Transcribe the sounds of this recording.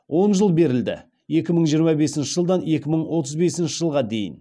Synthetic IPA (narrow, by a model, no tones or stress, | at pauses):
wo̞nʒəlˠbe̞ɾɪld̪ɪ̰ | je̞kʲɪməɴʒijəɾmɑbe̞sɪnʃɪʒəlˠd̪ɑnje̞kʲɪməɴwo̞t̪əzbe̞sɪnʃɪʒəlˠʁɑd̪e̞jɪ̰n